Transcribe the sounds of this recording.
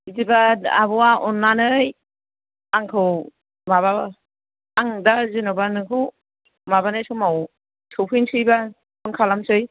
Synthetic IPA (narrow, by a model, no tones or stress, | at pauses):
idibaa̰buwaɔnːanɯj | aŋkʰɯw | maβa | aŋdazinabanɯkʰɯw | mabanɯjsɯmaw | sʰɯwpʰinsʰɯjba | pʰɯŋkʰalamsɯj